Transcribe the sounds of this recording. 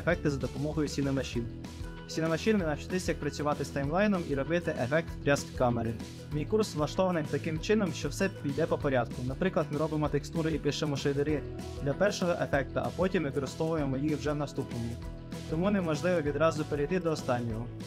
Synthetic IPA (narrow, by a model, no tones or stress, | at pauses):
efɛk̚t̪ɪzɐd̪ɔpɔmɔɦɔjʊsʲinɔmɐʃin | sʲinɔmɐʃɪnmɪnɐwt͡ʃɪ̥t̪ɪsʲjɐk̚pɾɐt͡sʲʊʋɑt̪ɪst̪ɐjmlˠɑjnɔmiɾɔbɪt̪ɪʔefɛk̚t̪pɾʲɑskkɑmeɾɪn | mʲijkursʋlˠɐʃt̪ɔʋɐnɪjt̪ɐkɪmt͡ʃɪnɔmʃt͡ʃɔwsɛpʲijd̪ɛpɔpɔɾʲɑd̪̚kʊnɐpɾɪklˠɐd̪mɪɾɔbɪmɔt̪ekst̪uɾɪipɪʃɪmɔʃɪd̪ɪɾɪ | d̪lʲɐpɛrʃɔɦɔʔefɛk̚t̪ɐʔɐpɔtʲimʋɪkɔɾɪst̪ɔʋʊjemɔjixwʒɛwnɐst̪upnɔmʲi | t̪ɔmunɛmɔʒlˠɪʋɔʋʲid̪ɾɑzʊpeɾejt̪ɪd̪ɔːst̪ɑnʲːɔɦɔ